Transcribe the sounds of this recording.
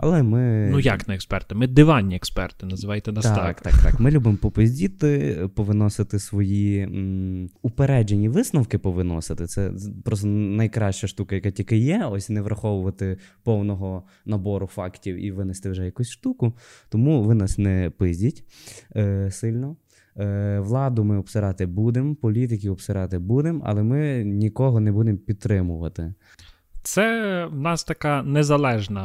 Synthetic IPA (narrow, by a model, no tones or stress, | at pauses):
ɐ̰lˠɛmɪnujaknɐɛkspɛrt̪ɪmɪd̪ɪʋɑnʲːiɛkspɛrt̪ɪnɐzɪʋɑjt̪ɛnɐst̪ɑkt̪ɑ̰kt̪ɑ̰kmɪlʲubɪmpɔpɪzʲdʲit̪ɪpɔʋɪnɔsɪt̪ɪsʋɔji | ʊpeɾɛd͡ʒenʲiʋɪsnɐwkɪpɔʋɪnɔ̰sɪt̪ɪt̪sɛpɾɔst̪ɛnɐjkɾɑʃt͡ʃɐʃt̪ukɐjɐkatʲikɪjɛɔsʲnɛʋɾʔɐxɔʋʊʋɐt̪ɪpɔwnɔɦɔ | nɐbɔɾʊfɑktʲiwḭʋɪnɪst̪ɪwʒɛjɐkusʲʃt̪ukʊt̪ɔmuʋɪnɑsnɛpɪzʲdʲitʲː | sɪlʲnɔ | ʋlˠɑd̪ʊmɪɔbpsɪɾɑt̪ɪbud̪ɪmpɔlʲit̪̬ɪkʲiɔpsɪɾɑt̪ɪbud̪ɪmɐ̰lˠɛmɪnʲikɔɦɔnɛbud̪empʲid̪̚t̪ːɾɪmʊʋɐt̪ɪ | t̪sɛwnɑst̪ɐkɑnɛzɐlˠɛʒnɐ